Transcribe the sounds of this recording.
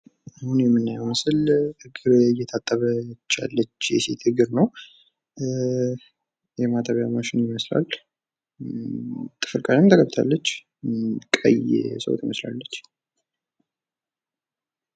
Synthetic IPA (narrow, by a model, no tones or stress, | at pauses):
ahunjɛmːɨnːajɛwmɨsɨlhɨɡɨɾɨjːɛt̪ʰat̪ʼːəβət͡ʃːa̰lːət͡ʃːjɛ̰se̞̰t̪hɨɡɨɾnəw | jɛmat̪ʰəβjamaʃɪnjɪməsla̰l | t̪ʼɨ̥fɨlkʼazamt̪ʰəkʰəbt̪ʰa̰lːət͡ʃː | kʼə̰j̰səw̰t̪jɪməsla̰lːət͡ʃː